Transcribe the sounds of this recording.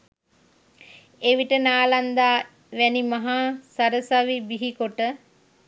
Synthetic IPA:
eʋiʈənaːland̪aː | ʋɛnimaɦaːsaɾəsaʋibiɦikoʈə

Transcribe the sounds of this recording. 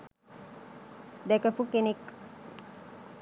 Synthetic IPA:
d̪ɛkəpukenik

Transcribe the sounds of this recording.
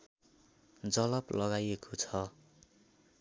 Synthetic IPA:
d͡zʌlʌplʔʌɡajekʰot͡sʰʌ

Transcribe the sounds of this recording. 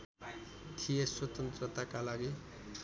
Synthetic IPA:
t̪ʰijeswʌt̪ʌnt̪rʌt̪akalaɡi

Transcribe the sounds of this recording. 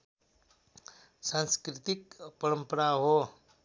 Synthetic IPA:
sãnskɾit̪ikpəɾəmpəɾaɦo

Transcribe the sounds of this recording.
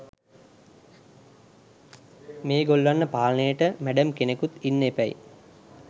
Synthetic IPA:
meːɡolʋanːəpaːlənəjəʈəmæɖəmkenekut̪inːepæj

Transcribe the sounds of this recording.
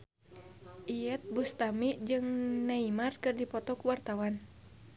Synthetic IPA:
ʔiɛt̪̚bust̪amiʔd͡ʒɨŋnaimarkɨrdipɔt̪ɔkuwart̪awan

